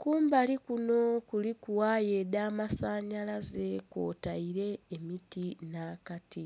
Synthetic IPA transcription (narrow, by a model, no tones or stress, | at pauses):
kuːmbalikuno̞kulikuwaːjedaːmasaːɲalaze̞ko̞̰ːtaiɾe̞ːmitinaːkati